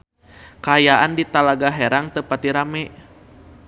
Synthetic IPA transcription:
kaːjaʔandit̪alaɡaɦɛɾaŋt̪əpat̪iɾamɛʔ

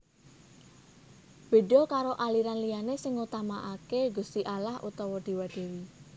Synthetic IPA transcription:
b̥e̤ɖɔ̤kaɾoʔaliɾanlijanesɪŋut̪amaʔakeɡṳst̪iʔalahʔṵt̪ɔwɔd̪̥i̤waɖ̥e̤wi

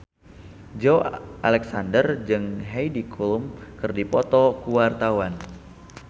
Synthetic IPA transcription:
d͡ʒoʔalɛksandərd͡ʒɨŋɦejdikʰulumkɨrdipɔt̪ɔkuwart̪awan

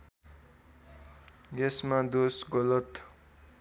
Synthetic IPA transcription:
jesmad̪osɡʌlʌt̪

